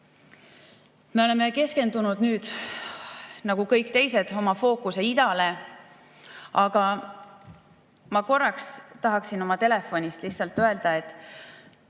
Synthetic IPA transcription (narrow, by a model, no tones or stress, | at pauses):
me̞o̞le̞mːe̞ke̞ske̞nd̪̥unud̪̥nyːd̪̥ | nɑɡ̥ukɤ̞jkːt̪e̞jse̞d̪̥o̞mɑfo̞ːkuse̞id̪̥ɑle̞ | ʔɑɡ̥ɑ | mɑko̞rːɑkst̪ɑɦɑksino̞mɑt̪e̞le̞fo̞nʲist̪lihtsɑlt̪ːˑø̞e̞ld̪̥ɑe̞t̪ːˑ